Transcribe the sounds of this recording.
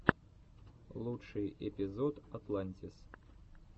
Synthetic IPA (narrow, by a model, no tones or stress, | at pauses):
lˠuʂɨjɛpʲizɔt̪at̪lˠanʲtʲis